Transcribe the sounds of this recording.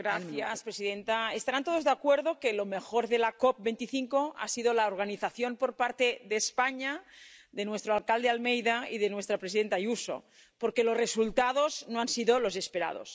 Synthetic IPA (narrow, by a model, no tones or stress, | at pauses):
ɡɾaθjaspɾesiðent̪aest̪aɾant̪oðozðeakweɾðokelo̞mexoɾðelakop̚bent̪iθiŋkoa̰siðolaoɾɣ̞aniθaθjo̞mpo̞ɾpaɾt̪eðespaɲaðe̞nwe̞st̪ɾoalkald̪ealmejðaiðenwest̪ɾapɾesiðent̪ajuso̰ | poɾkelozresult̪að̞oznoansiðolo̞se̞speɾa̰ð̞o̰s